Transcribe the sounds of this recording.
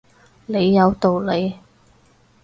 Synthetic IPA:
le˨˧jːɐ˨˧wt̪o˨wle˨˧j

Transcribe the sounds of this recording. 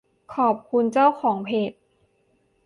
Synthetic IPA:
kʰɔː˨˩p̚kʰu˧nt͡ɕa˥˩wxʰɔː˩˦ŋpʰeː˨˩t̪̚

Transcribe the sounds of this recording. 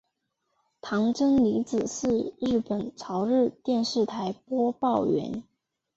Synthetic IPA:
t̪ʰɑ˧˥ŋʈ͡ʂɤ˥ŋli˧˥t͡sɹ̩˨˩sɹ̩˥˧ɻɻ̩˥˩pə˨˩nt͡sʰɑ˧˥ʊɻɻ̩˥˧t̪jɛ˥˧nʂɻ̩˥˩t̪ʰa˧˥ɪpwɔ˥pɑ˥˩ʊɥɛ̰˧˥n

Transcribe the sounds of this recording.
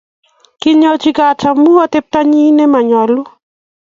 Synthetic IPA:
ki˦ɲɔ˦t͡ʃi˦ɡa˨ta˨mu˦ɔ˦t̪e˦p̚t̪a˦ɲi˦ne˦ma˨ɲɔ˨lʊ˦

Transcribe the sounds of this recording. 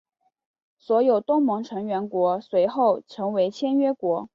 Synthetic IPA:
swɔ˧˥jo˨˩ʊt̪ʊ˥ŋmɤ˧˥ŋʈ͡ʂʰɤ˧˥ŋɥɛ˧˥nkwɔ˧˥swe˧˥ɪxo˥˩ʊʈ͡ʂʰɤ˧˥ŋwe˧˥ɪt͡ɕʰjɛ˥nɥɛ˥kwɔ˧˥

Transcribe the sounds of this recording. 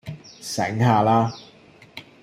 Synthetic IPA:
sɛ̰˨˥ŋɦaː˨laː˥

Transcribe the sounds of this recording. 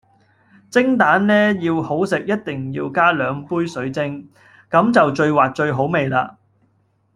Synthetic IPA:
t͡sɪ˥ŋt̪aː˨˥nlɛː˥jiː˧who˨˥wsɪ˨k̚jɐ˥t̚t̪ɪ˨˩ŋjḭː˧wkaː˥lœː˨˧ŋpuː˥jsɵ˨˥ɥt͡sɪ˥ŋ | kɐ˨˥mt͡sɐ˨wt͡ʃɵ˧ɥwaː˨t̚t͡ʃɵ˧ɥɦo˨˥wme˨jlaː˧

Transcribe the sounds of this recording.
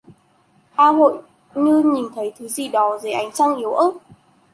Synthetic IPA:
ʔaː˧ɦo̰˧˨j | ɲɨ˧ɲi˨˩nt̪ʰə˨˦jt̪ʰɨ˨˦zi˨˩ɗɔ˨˦zə˨˩ʔa˨˦jŋ̟t͡ɕa˧ŋʔi˨˦əwʔəː˦˥t̚

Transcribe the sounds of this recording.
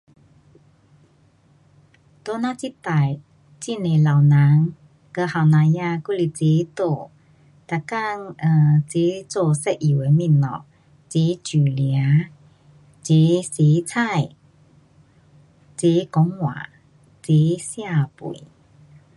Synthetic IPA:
t̪o˧˦nã˧t͡si˦t̪a˨˩j | t͡ɕi˧ne˨˩la˨˩wnã˨˦ŋ | kə˧ha˨˩wnã˨˧˦ja˧ku˦˧˨li˨˧˩t͡si˨˧˦t̪o˧˩˨ | t̪a˧˩ka˥˧ŋə˧˩t͡si˨˦t͡so˧sɛ˧˨ʔi˨˩we˨˧˦mĩ˧˨nnɔ̰˨˩ | t͡si˨˦t͡ɕu˨˩lja˨˧˦ | t͡si˨˦si˨˦t͡sʰa˥˧˨j | t͡si˨˦kɔ˨˦ŋwa̰˨˩˨ | t͡si˨˧˦sja˥˧˨pṵ˨˩˨j

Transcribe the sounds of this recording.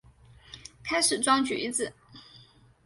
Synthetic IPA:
kʰa˥ɪʂɻ̩˨˩t͡swɑ˥ŋt͡ɕy̰˨˩i˥t͡sɹ̩˥˩

